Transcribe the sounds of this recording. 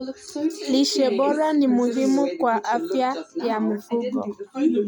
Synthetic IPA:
li˨ʃe˨bɔ˦ɾa˦ni˨mu˨ɦi˦mu˦kwa˨ʔa˦fja˦ja˨mu˨fu˦kɔ̰˨

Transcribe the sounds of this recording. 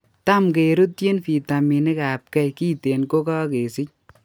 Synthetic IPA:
ta˦mke˨ɾu˦tje˦nfi˨ta˨mi˨ne˦ka˨p̚kɛ˦jkiː˦te˨nko˦kɔ˦ke˨sɪ˦c̚

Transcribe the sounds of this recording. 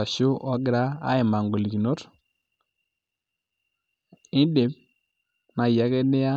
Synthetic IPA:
a˨ʃʊ˦ʔɔ˦ɡɪ˦ɾa˦a̰˦ɪ˨ma˨ŋɡo˨li˨ki˨no˦t | ɪ˦de˨˦p | na˨i˨a˨˦kɛ˦nɪ˦a˦

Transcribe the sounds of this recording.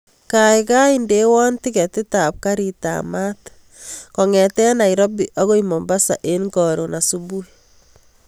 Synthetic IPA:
ka˨ɪka˦i˨nde˦wɔ˦nti˦kɛ˨tɪ˦ta˨p̚ka˦ɾi˨ta̰ma˦t | kɔ˨ŋɛ˨tɛ˦na˨i˨ɾɔ˦bi˨ʔɔ˦ɣo˦imɔ˨mba˦sa̰˨ʔe˦nɡɔ˨ɾo˨na˨su˦bu˦i

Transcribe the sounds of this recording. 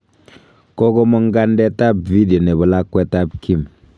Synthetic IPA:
ko˦ko˦mɔ˦ŋ˦ɡa˦ndɛ˦ta˦b̚vi˦di˨o˨ne˨bɔ˨la˦kːwɛ˦ta˦p̚ki˦m

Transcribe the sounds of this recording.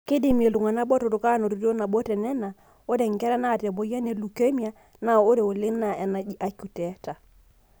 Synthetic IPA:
kɪ˦dɪ˦˨me˨lu˨ŋa˨na˦bɔ˦to˨tʊ˨ka˦no˨ɾu˨˦do˦na˨bɔ˦tɛ˨nɛ˦na˨ | o˦de˨ŋ˨kɛ˦ɾa˦na˦˨tɛ˨bo˨˦ja˦ne˨lu˨ke˦mi˦a˦ | na˦o˦ɾe˨o˨lɪ˦ŋ˦na˨ɛ˨na˨i˦ʔa˨ku˨tɛ˨˦ta˨

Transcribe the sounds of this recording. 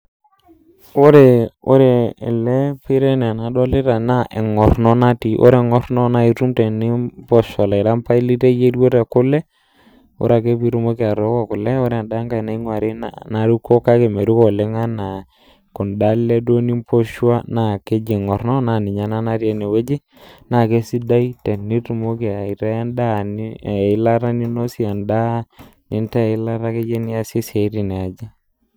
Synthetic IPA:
o˦ɾe˨o̰˦ɾe˨ɛ̰˨lɛ˦pɪ˦ɾɛ˦n˨a˨na˨dɔ˦lɪ˦ɾa˨na˦ʔḛ˨ŋɔ˨ɾnɔ˦na˦ti˨ʔo̰˦ɾe˨ŋɔ˦ɾnɔ˦na˦i˨ɾu˦mtɛ˨nɪ˦pɔ˦ʃɔ˨la˨ɪ˨ɾa˦mpa˦i˦li˦te˦je˦do˦te˨kʊ˦lɛ˦ | o̰˦ɾa˨ke˦pi˦ɾu˦mo˦ke˦a˨ɾɔ˦kɔ˨kʊ˨lɛ˦o˦ɾɛ˨da˦ŋka˨na˨˦i˦ŋwa˨ɾi˦na̰˨na˨˦ɾu˦ko˦ka˦ke˨me˨ɾu˦kɔ˨le˦ŋa˦na˨ | kʊ˨nda˦le˦do˦ni˦mpo˦ʃwa˦na˦˨ke˦d͡ʒe˨ŋɔ˨rnɔ˦na˨nɪ˨ɲa˦na˦na˦rje˨˦ne˨we˦d͡ʒi˦ | na˨ke˦si˦da˦i˦tɛ˨ni˦ɾu˨mo˦ke˨a˨i˨ɾa˦ja˦nda˦˨n˦˨ɪ˦la˦ɾa˦ni˦no˦si˦a˨nda˦nɪ˨ntɛ˦˨ɪ˦la˦ɾa˦ke˦d͡ʒe˦ni˦a˦si˦se˨˦ɾi˨nɛ˨a˨d͡ʒa˦

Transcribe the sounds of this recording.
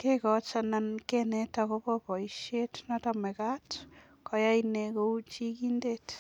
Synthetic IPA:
kekɔ˨t͡ʃa˨na˨nkenɛtako˦pɔpɔ˨iʃe˦tnatamɛ˨ka˦t | kɔ˨ja˦inekou˦t͡ʃi˦ki˦ndet

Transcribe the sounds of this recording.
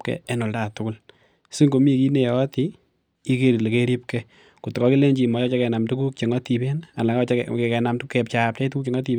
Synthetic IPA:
kɛ̰˨e˦nʊ˨lda˨tʊ˦kʊ˦l | si˦ŋko˨mi˦ki˦ne˨jɔ˦ti˨ | i˦ke˦ɾi˨le˨ke˦ɾi˦p̚kɛ | ku˨tkɔ˦ki˦le˦ɲd͡ʒi˨mɔ˨t͡ʃɔ˦t͡ʃe˦kɛ˨na˨mtu˦ku˦k̚t͡ʃe˨ŋɔ˦ti˨be˦na˨nla˨ŋɔ˦t͡ʃke˨kɛ˨na˨mtukɛ˨pt͡ʃa˨p̚t͡ʃa˦i˦tu˦ku˦k̚t͡ʃe˨ŋɔ˦ti˨

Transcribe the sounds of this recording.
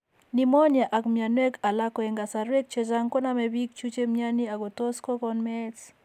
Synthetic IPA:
ni˦mɔ˦ɲɛ˨ʔa˨kmja˨nwe˦ka˨la˦kɔ˨ɛ˨ŋɡa˨sa˨ɾwe˦k̚t͡ʃe˦za˦ŋkɔ˦na˦mɛbi˦k̚t͡ʃu˦t͡ʃe˦mja˦ni˦a˨ɡo˨to˦skɔ˦kɔ˦nmɛ˦s

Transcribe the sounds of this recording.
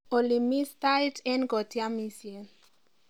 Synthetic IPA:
o˨li˨mi˦st̪a˦jtɛ˦nɡɔ˨tja˦mi˦sje

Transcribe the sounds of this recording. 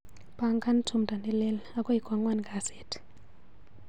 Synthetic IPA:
pʼa˨ŋkʼa˦n˦tʰu˨mdʱa˨nɛ˦lɛ˦la˦kʼɔ˦i˨ɡ̥ʱwa˨ŋwa˦ni˨ɡa˨sɛː˨tʰi̥

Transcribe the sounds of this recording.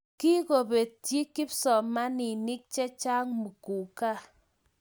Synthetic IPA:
ki˦ko˨be˨ttji˦kɪ˦psɔ˨ma˦ni˨nɪ˦k̚t͡ʃɛ˦t͡ʃa˦ŋmu˨ku˨ka˦˨

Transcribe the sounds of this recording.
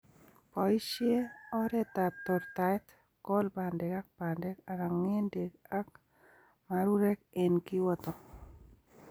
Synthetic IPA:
pɔ˨jʃje˦ɔ˦ɾɛt̪ap̚t̪ɔɾt̪at̪ | kɔ˦lbandɛka˦k̚bande˦ka˨ɾaŋːe˦nde˨ka˦k | maɾu˦ɾɛ˦kenkɪ˦wɔt̪ɔ

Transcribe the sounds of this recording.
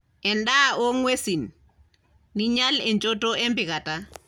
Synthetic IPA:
ɛ˨nda˦o˦ŋwe˦si˨nː | i˦ɲa˦lɛ˨ɲd͡ʒo˦to˦ɛ˦mbɪ˨ka˨ta˦

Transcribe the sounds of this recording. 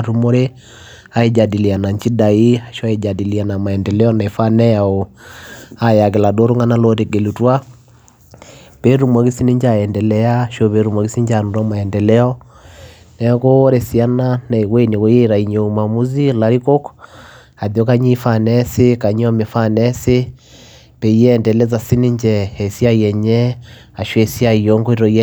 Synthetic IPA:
ɾu˨mo˦ɾe˦ | a˦e˦d͡ʒa˨di˨li˨a˨na˨ɲt͡ʃi˦da˨i˦a˨ʃɔ˦a˦e˨d͡ʒa˨di˨li˨a˨na˨ma˨ɛ˨ndɛ˨lɛ˦ɔ˦na˨e˨fa˦nɛ˦a˨o˨ | a˨ja˨ke˨la˨do˦ɾo˦ŋa˦na˦lo˦ɾe˨ke˨lu˨twa˦ | pe˦ɾu˨mwa˨ki˦si˦ni˦ɲd͡ʒa˦˨ɛ˨ndɛ˨lɛ˦a˦ʃo˦βe˨˦ɾu˨mwa˨ki˦si˦ɲd͡ʒa˨nu˨ɾa˦ma˨ɛ˨ndɛ˨lɛ˦ɔ˦ | nɛko˦ɾe˨si˨a˦na˦na˨i˨ɣwe˦ni˨ɣo˦je˦ɾa˨i˨ɲo˨ma˨mu˦zi˦la˦ɾi˦ko˦k | a˨ðjɔ˦ka˦ɲi˦fa˨nɛse˦ka˨ɲ˦ɔ˦me˨fa˦nɛ˦se˦ | pe˨jɛː˦˨ndɛ˨lɛ˦za˨si˦ni˦ɲd͡ʒɛː˨sja˦iɛ˨ɲɛ˦ | a˨ʃwe˨si˦a˦i˨jo˦ŋɡo˦i˦ɾɔ˨iɛ

